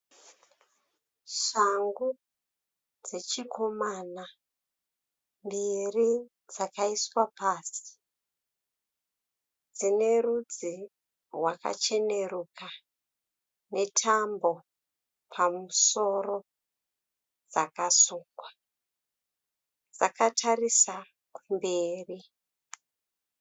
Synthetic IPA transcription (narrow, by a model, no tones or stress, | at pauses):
ʂaŋɡu | d͡ze̞t͡ʃiko̞mana | mbiri | d͡zakaiswapaːsi̥ | d͡zine̞rud͡zi | rwaka̰t͡ʃe̞ne̞ɾuka | ne̞tʰambo̞ | pʰamuso̞ro̞ | d͡zakasuːŋkɡwa | d͡zakatʰarisa | kumbe̞ːri